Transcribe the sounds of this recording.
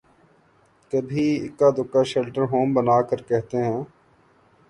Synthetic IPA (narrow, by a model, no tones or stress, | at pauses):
k̪əbʱiːɪ̰kːaːd̪ʊkːaːʃɛlʈəɾɦoːmbənaːkəɾkɛɦt̪eɦɛ̃ː